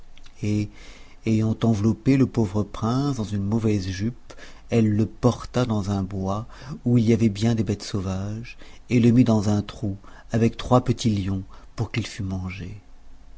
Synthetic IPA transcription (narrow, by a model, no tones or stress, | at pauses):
e | ejɑ̃t̪ɑ̃vlɔpeləpovʁəpχɛ̃sd̪ɑ̃zynmɔvɛzʒyp | ɛlːəpɔʁt̪ad̪ɑ̃zɛ̃bwa | uiliavɛbjɛ̃d̪ebɛt̪sovaʒeləmid̪ɑ̃zɛ̃t̪χu | avɛk̚t̪χwapət̪ʰiljɔ̃puʁkilfymɑ̃ʒe